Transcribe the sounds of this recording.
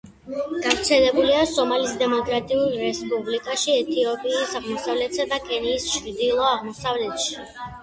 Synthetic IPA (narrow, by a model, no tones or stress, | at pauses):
ɡ̥avɾt̪sʰɛlɛbuliasɔmalisd̪ɛmɔkʼɾat̪ʼiulˠɾɛspʼublikʼaʃiɛt̪ʰiɔpʼiːsaʁmɔsavlɛt̪ʰsad̪akʼɛniːst͡ʃʰɾd̪ilˠɔaʁmɔsavlɛt̪ʃi̥